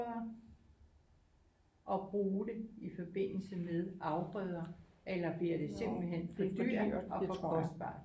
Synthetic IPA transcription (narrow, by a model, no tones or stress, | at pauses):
ɐ | ʔɒ̽b̥ʁuːɾ̥e̝ifɒ̽b̥e̝n̰l̩səmeðˠʔɑ̈ʊb̥ʁœðˠɐʔelɐb̥liɐɾ̥e̝se̝m̰b̥l̩ɦen̰fɒd̥y̰ɐ̰ɒ̽fɒ̽kʰɒ̽sd̥̚b̥ɑ̰̈ː